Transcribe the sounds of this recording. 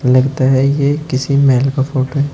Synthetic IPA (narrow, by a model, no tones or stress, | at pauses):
lɐɡt̪aɦɛjekɪsimɛːlkafoːʈoɦɛː